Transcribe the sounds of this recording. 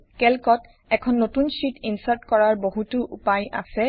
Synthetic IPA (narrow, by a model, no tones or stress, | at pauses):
kɛlkɔt | ɛkʰɔnːotunsitinsaɹtkɔɹaɹboɦutuʔupaja̰sɛ